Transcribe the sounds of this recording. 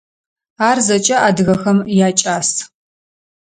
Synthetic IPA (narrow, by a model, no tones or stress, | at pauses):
aːrzɐt͡ʃʼɐʔaːdɨɣɐxɐmjaːt͡ʃʼaːs